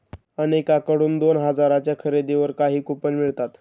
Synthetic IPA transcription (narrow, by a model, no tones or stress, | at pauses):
ənekakəɽuːnd̪onɦəd͡zaɾat͡ɕjakʰəɾed̪eʋəɾkaɦiːkupənmiɭt̪at̪